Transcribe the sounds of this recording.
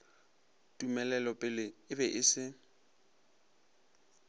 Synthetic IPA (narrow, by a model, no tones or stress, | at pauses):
tʼumɛlɛlɔpʼɪlɪɪbɛʔɪsɪ